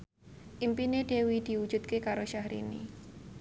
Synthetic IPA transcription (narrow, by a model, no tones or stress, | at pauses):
ʔimpined̪̥e̤wid̪̥i̤ud̥ʒ̥ṳt̪̚kekaɾoʃahɾḭnḭ